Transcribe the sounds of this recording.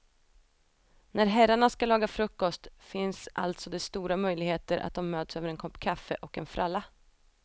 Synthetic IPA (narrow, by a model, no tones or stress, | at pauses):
næɾɦæɾaɳaskalɑːɡafɾɵkːɔst̪fɪnsʔa̰lt̪sɔd̪ɛst̪uːɾamœjlɪɡheːt̪əɾʔa̰t̪̚d̪ɔmːøːt̪søːvəɾɛnkʰɔpːkʰafːə̰ʔɔkɛnfɾʔalːa